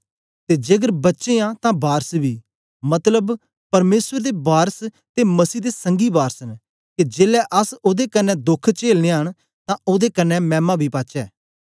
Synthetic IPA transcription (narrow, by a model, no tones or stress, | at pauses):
t̪eːd͡ʒeːɡəɾbɐtːʃeːãːt̪ãːbaːɾsbiː | mɐt̪ləb | pɐɾmeːsəɾd̪eːbaːɾs | t̪eːməsiːd̪eːsə̃ŋɡiːbaːɾsən | ked͡ʒeːlɛːʔəsoːd̪ekənːɛːd̪ʊkʰt͡ʃeːlnẽɦəɳ̃ | t̪ãːoːd̪eːkənːɛːmɛ̃ːmãːbʱiːpaːt͡ʃɛː